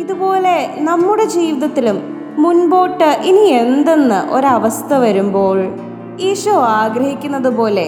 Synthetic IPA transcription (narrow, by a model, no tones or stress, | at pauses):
iðubo̞ːle̞nɐmːuɽe̞d͡ʑiːʋiðɐt̪ːilumː | unbo̞ːʈːɨʔinie̞nd̪e̞nːɨʔo̞̰ɾɐʋɐst̪ʰɐʋɐɾumbo̞ːɭ | iːʂoːaːɡɾɐɦikʲːunːɐðupo̞ːle̞